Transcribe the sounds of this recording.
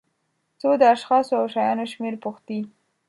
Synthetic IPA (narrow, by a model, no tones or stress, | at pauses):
t͡sod̪əaʃxɑsoawʃajɑnoʃmeɾpuxt̪i